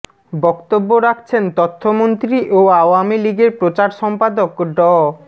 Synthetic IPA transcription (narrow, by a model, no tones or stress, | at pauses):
bɔkt̪obːoɾakʰt͡ɕʰent̪ɔt̪ʰːomont̪ɾiʔoaoamiliɡeɾpɾot͡ɕaɾʃɔmpad̪okɖɔ